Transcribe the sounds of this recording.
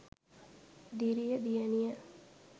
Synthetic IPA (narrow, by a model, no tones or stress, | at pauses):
d̪iɾijəd̪ijənijə